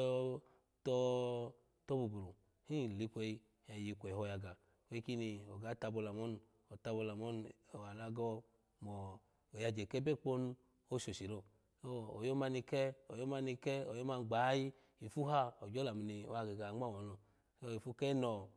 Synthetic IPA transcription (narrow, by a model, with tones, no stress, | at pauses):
ɔ˧ | tɔ˧ | tɔ˦bu˨bu˨lu˨ | hi˦˨li˨˧pʷe˧i˧ | ɛ˧ji˧kʷɛ˨hɔ˧ja˧ɡa˨ | we˧˦ki˦ni˧ɔ˨ɡa˨˦ta˧bo˧la˨mɔ˦n˨ | ɔ˨ta˧bo˧la˨mɔ˦nɔ˨wa˨la˧ɡɔ˧ | mɔː˨ | ja˧d͡ʒe˨kɛ˦be˦˨k͡po˦n˦ | o˧ʃo˨ʃi˨lo˧ | o˦˨o˨jo˦ma˧ni˧kɛ˦o˨jo˦ma˧ni˧kɛ˦o˨jo˦ma˧n˨ɡ͡ba˨˦ji˦ | i˨fu˦ɦa˦ɔ˨d͡ʒɔ˦la˨mi˨ni˧o̰˨˧a˧ɡe˨ɡa˨ŋ͡ma˦˨wɔ˨˦nɔ˨˦ | o˦i˨fu˦kɛ˦nɔ˨